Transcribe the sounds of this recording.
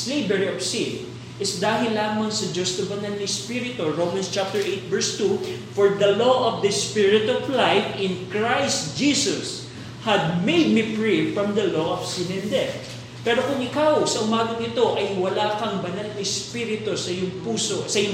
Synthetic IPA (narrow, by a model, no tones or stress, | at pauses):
slejbɛɹiovsin | ʔɪsd̪aːɦɪlːaːmɐŋsɐd͡ʒost̪ɐbɐnalnɪspiɾɪt̪oɹowmɐnst͡ʃap̚t̪ɛɹʔejt̪̚vɛɹst̪ufɔɹd̪ɐloʔɔvd̪ɐspɪɹɪt̪ɔvlajfɪ̃nkɹajst̪̚d͡ʒisʊs | hɐd̪̚mejd̪̚mipɹivfɹɐmd̪ɐloʔɔvsɪnɛ̃nd̪ɛ | pɛːɾokʊŋɪkawsɐʔʊmaːɡɐŋɪt̪o̞ʔɐjwɐlaːkɐŋbɐnalnɪspiːɾɪt̪osɐjʊŋpuːsosɐjʊ